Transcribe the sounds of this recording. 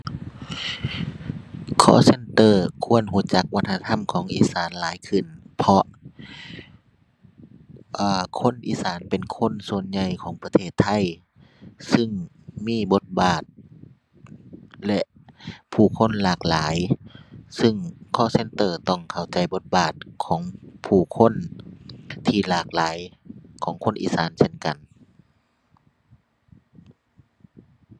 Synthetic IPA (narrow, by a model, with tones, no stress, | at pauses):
kʰɔ̰ː˧˨se˧˥˨nt̪ɤː˧˩kʰu˧˥˨ənɦu˧˩t͡ɕa˧˦k̚wa˧t̪ʰːa˧t̪ʰa˧˥˨mkʰɔː˨˦ŋʔḭː˧˥saː˨˦nlaː˨˦jkʰɯ˧˩npʰɔ˧ | ʔaː˧˩kʰo˧˥˨nʔḭː˧˥saː˨˦npe˨nkʰo˧˥˨nsu˨˧˨ənɲa˧jkʰɔː˨˦ŋpa˧t̪ʰeː˧˥˩t̪ʰːa˧˥˩j | sɯ˧˥ŋ | miː˧˥˨bo˧˦t̪̚baː˨˩t̪̚ | lɛ˧ʔpʰuː˨˩kʰo˧˥˨nlaː˧˩k̚laː˨˦j | sɯ˧ŋkʰɔː˧˥˨se˧˥nt̪ɤː˧˩t̪ɔ˧˥˩ŋkʰa˧˩wt͡ɕa˨˧˩jbo˧˦t̪̚baː˨˩t̪̚kʰɔː˨˦ŋpʰuː˧˩kʰo˧˥˨n | t̪ʰiː˧˩laː˧˩k̚laː˨˦jkʰɔː˨˦ŋkʰo˧˥˨nʔḭː˧saː˨˦nse˧˥˨nka˨n